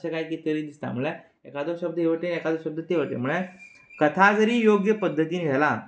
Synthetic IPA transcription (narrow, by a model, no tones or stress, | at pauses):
t͡ɕakajkit̪əɾiːd̪ist̪a̰m̤uɭa | ekad̪oɕəbd̪əɦeʋəʈenekad̪oɕəb̚d̪ʱət̪eʋəʈḛm̤əɭe | kət̪ʰad͡zəɾiːjoɡjəpəd̪ʱːət̪inid͡zʱala